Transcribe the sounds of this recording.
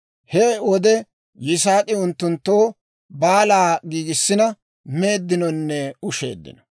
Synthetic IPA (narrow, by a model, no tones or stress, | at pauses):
hɛwɔd̪ɛ | jɪs̬aːt̪ʼɪʊnt̪ːʊnt̪ːoː | baːlaːɡiːɡɪsːɪnɐ | me̞ːd̪ːɪnɔnːɛʊʃḛːd̪ːɪ̰nɔ̥